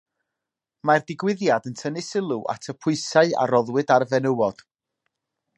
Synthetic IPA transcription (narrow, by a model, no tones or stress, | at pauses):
mardɪɡwɪðjadəntʰənɪsɪlˠuʔa̰tʰəpʰʊɨsaɨa̰ɾɔðwɨdarvɛnəwɔd̥